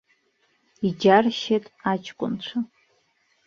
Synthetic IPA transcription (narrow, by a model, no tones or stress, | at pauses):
id͡ʒarʃatʼat͡ʃʰkʷʼʊ̰nt͡ɕʷʰa